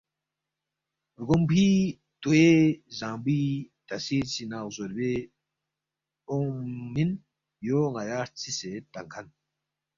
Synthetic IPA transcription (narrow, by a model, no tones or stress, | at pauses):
ɾɡombʰi | t̪uezãːmbiːt̪asiːt͡sinaːɣzoɾbe | omin | joːŋajaːɾt͡sʰiset̪aŋkʰan